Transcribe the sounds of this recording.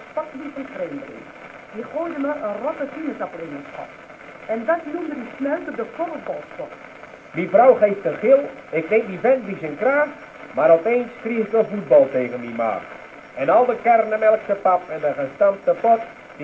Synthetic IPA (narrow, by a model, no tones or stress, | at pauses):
pɔtdifɑnfrejmbərɪ̰ | diχojdəməʔənrɔtəfinətaprɪnəsχɑ̰t | ɛndɑtnumdədisnœwtədəkɔvət̚bɔlˠspɔt | mifrɔwχejftənχɪlˠɪkneŋk̚divɛnbisənkraːχ | maːɾɔlpejnskriətəvut̚bɑlˠtejɣənmima̰ːχ | ɛnɑlˠdəkɛrnəmɛlˠksəpɑpɛnəχəstɑmtəpɔt | d